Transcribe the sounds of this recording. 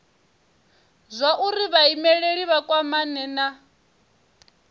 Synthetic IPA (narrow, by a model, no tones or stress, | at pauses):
zʷaʔuɾiβaimɛɺeɺiβakʼwamanɛna